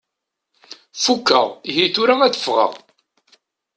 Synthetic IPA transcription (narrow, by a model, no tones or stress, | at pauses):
fukːə̰ʁiɦiθuɾæŋæθə̥fʁə̰ʁ